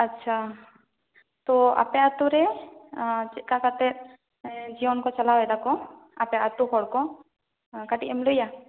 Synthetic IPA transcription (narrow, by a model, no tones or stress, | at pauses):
ɐtːʃʰa | t̪ɔa̰pɛat̪uɾɛ | t͡ʃkakat̪ɛɾ | d͡ʒiɔnkɔt͡ʃɐlawɛd̪akɔapɛʔat̪uɦɔɽkɔ | kaʈiʔɛmluja